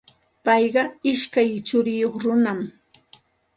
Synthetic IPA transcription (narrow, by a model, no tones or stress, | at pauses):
pɑjɢɑɪʃkajt͡ʃʊɾɪjoχɾʊnam